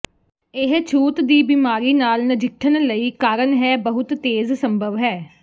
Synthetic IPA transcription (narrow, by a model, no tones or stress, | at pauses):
ɪɦt͡ʃʰuːt̪d̪iːbiːmaːɾiːnaːlnəd͡ʒɪkʰːənləiːkaːɾənɦɛːbəɦʊt̪ːeːzsəmbʱəʋɦɛː